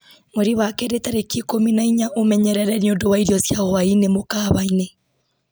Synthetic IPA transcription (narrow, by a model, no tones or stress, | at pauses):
mwoɾiwakɛɾetaɾekikominaiɲaʔomɛɲɛɾɛɾɛniondowaiɾjɔsjaɣɔwainemokaːβaine